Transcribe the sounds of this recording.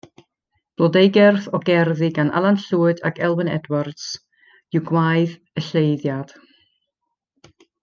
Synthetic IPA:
b̥lˠɔdejɡɛrθɔɡɛrðiɡanʔa̰lˠanɬuːɨda̰kʰɛlˠwənɛ̰dward̥s | juwɡwajð | əɬejðjad̥

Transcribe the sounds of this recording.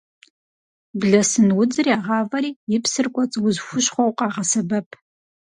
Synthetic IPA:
bɮɐsɨnwʊd͡zɨriaːʁɑːvɐɾiːjɪpsɨrkʷʼɔt͡sʼwʊzxʷʊɕχʷɔwqʼɑːʁɐsɐbɐpʰ

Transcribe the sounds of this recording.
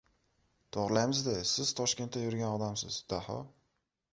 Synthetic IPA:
t̪ʰɒʁɾlajmɪzd̪ɪsɪz̥t̪ʰɒʃkʲe̞nt̪ːajʊɾɡʲanɒd̪amsɪ̰zd̪̥ahɒ̰

